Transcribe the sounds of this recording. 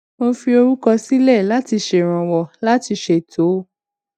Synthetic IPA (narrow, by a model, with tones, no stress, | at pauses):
mo˧fi˧o˧ɾu˦kɔ˧si˦lɛ˦˨la˦ti˧ʃe˨ɾ̃ã˨wɔ˨la˦ti˧ʃe˨tʰo˨˦